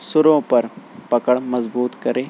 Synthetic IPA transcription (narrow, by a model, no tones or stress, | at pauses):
suɾõpəɾpəkəɽmɐzbuːt̪kəɾe